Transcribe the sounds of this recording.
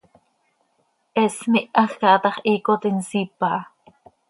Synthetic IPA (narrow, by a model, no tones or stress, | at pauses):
ʔesmiʔaxkɑʔt̪ɑχʔiːkot̪insipaʔ